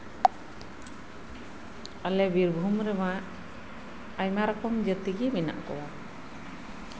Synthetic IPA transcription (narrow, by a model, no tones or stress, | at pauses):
alɛbiɾbʱumɾɛmaʔ | ajmaɾɔkɔmd͡ʒət̪iɡɛmina̰ʔkɔ̰wa